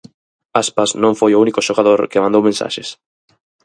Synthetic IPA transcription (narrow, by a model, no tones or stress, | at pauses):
aspasnõŋfojounikoʃoɣaðoɾkɪmãnd̪owmẽnsa̰ʃes